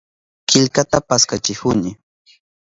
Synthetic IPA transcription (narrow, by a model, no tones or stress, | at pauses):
kɪʎkat̪apaskat͡ʃɪhʊnɪ